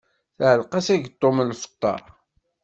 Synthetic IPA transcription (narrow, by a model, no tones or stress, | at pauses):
θʕəlqɑsæʝət̪ˤːomlfə̥t̪ˤːɑ̰ɾ